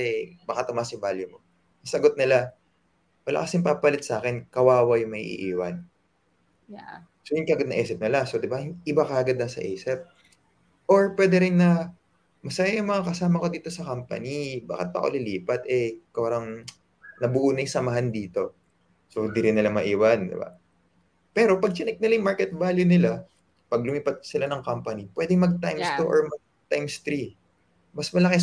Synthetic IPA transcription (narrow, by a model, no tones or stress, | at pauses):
ɛbɐkat̪ʊmaːsɪbaljʊmo̞ | ɐsɐɡot̪̚nɪla | wɐla̰ːkɐsɪŋpapɐlɪt̪saːkɛnkɐwaːwɐjʊŋmɐʔːʔḭːʔiːwɐn | sojʊŋkɐʔɡɐd̪nɐ̰ʔɛːsɪp̚nɪlasod̪ɪbaʔɪbakaɐɡɐd̪nɐsɐ̰ʔɛːsɛp̚ | ʔoɹpwɛːd̪ɛɾɪnːɐ | mɐsɐjajʊŋmɐŋakɐsaːmɐko̞d̪iːt̪o̞sɐkampɐ̰niba̰ːkɪ̰t̪̚pɐ̰ko̰lɪliːpɐt̪ɛkaɾɐŋ | nɐbʊʔuːnɐjsɐmɐɦand̪iːt̪o̞ | sod̪iɾɪnːɪlamɐʔiːwɐnd̪ɪ̰ba̰ | pɛːɾo̞pɐɡ̚t͡ʃɪnɪk̚nɪlajʊmaɹkɛt̪̚valjʊnɪla | pɐɡ̚lʊmiːpɐt̪̚sɪlanɐŋkampɐnipwɛːd̪ɪŋmɐɡ̚t̪ajmst̪uʔo̰ɹmɐ | t̪ajmst̪ɾi | mɐsmɐlɐkɛ